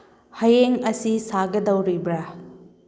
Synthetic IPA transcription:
hɐjeŋɐsisaɡɐdɐwɾibɾa

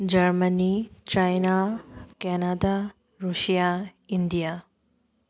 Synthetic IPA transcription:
d͡ʑɐɾmənit͡ʃajnakɛnad̪a | ɾuʃijaind̪ija

